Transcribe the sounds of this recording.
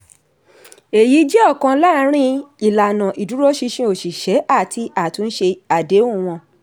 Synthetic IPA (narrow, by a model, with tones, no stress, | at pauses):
e˨ji˨˦d͡ʒɛ˦ɔ˦˨kã˧la˦˨˦ɾ̃ĩ˦i˨la˨nã˨ʔi˨du˨˦ɾo˦ʃi˧ʃĩ˧˦o˨ʃi˨ʃɛ˨˦ʔa˦˨ti˧a˦˨tũ˨˧n̩˦ʃe˧a˨de˨˦ũ˦˨w̃ɔ̃˧